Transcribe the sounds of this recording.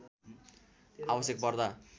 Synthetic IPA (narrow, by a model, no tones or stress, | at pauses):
abʌsjek̚pʌrd̪a